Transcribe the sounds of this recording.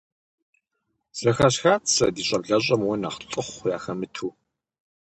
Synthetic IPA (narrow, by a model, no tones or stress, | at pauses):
z̥ɐxɐɕxaːt͡sʰɐdiːɕʼɐbɮɐɕʼɐmwɔna̰ːχɬʼɨχʷja̰ːxɐmɨtʰuː